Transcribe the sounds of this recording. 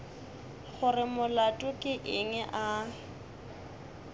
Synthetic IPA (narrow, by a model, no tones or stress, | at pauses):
χʊrɪmʊlatʼʊkʼɪʔɪŋɛʔa